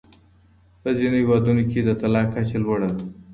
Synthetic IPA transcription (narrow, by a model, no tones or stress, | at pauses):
pəzinohɪwɑd̪unoked̪ət̪alɑkːat͡ʃelwəɽad̪